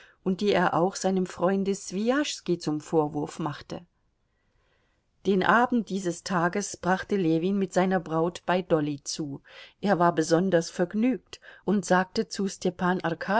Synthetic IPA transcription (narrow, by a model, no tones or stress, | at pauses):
ʔʊnt̚d̥iːeːɐʔaʊxz̥aɪnəmfʁ̥ɔʏndəsv̥iaʃskit͡sʊmfoːɐvʊɐfmaχtə̰ | d̥eːnʔaːbn̩t̚d̥iːzəstʰaːɡəsb̥ʁaχtəleːviːnmɪtz̥aɪnɐbʁaʊtb̥aɪdɔlit͡suːʔeːɐvaːɐbəzɔndɐsfɛɐɡnyːk̚tʔʊntz̥aːk̚tət͡sustʰɛpaːnʔaʁkʰaː